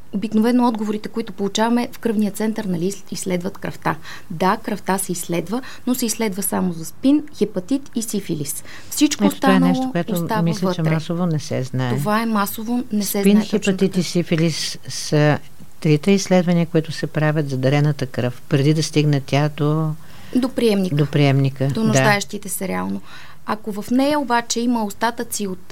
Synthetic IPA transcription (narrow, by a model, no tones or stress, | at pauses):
obiknovɛnoɔd̪ɡovoɾit̪ɛkoit̪ʊpolˠʊt͡ʃavɐmɛfkɾɤvnijət̪sɛnt̪əɾnɐli | islɛd̪vət̪kɾɐft̪a | d̪akɾɐft̪asɛislɛd̪və | nosɛislɛd̪vəsamozɐspinxɛpɐt̪it̪isifilis | fsit͡ʃkoɛso̥t̪aaɛnəɛlˠookoɛt̪ot̪amislʲɐt͡ʃɛmasovonɛsɛ̰znat̪ɛovaɛmasovonɛsɛpinxipɐt̪it̪isifilisː | ə | t̪ɾit̪əisːlɛd̪vɐniəkoɛt̪ʊsɛpɾavʲət̪zɐd̪ɐɾɛnət̪əkɾɤfpɾɛd̪id̪ɐst̪iɡnət̪ʲad̪o | d̪opɾiɛmnidk̪opɾiɛmnikəd̪onʊad̪aɛʃt̪it̪ɛsɛɾɛalˠno | ɐkovɐfnɛjɐobat͡ʃɛiməost̪at̪ət̪siot̪